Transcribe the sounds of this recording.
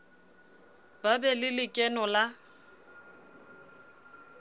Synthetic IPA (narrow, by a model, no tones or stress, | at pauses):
b̥abɛlɪlɪkʼɛnɔla